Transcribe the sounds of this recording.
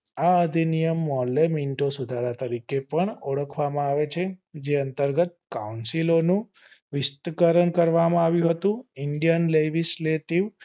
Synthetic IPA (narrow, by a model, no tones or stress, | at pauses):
aəd̪ʱinijəmːɔlːeminʈosud̪ʱaɾat̪əɾikepəɳəɽəkʰʋamãaʋet͡ʃʰed͡ʒeənt̪əɾɡət̪̚kaunsilonũ | ʋɪst̪əkəɾəɳkəɾʋamãaʋjũɦət̪ũɪɳɖijənled͡ʒisleʈiʋ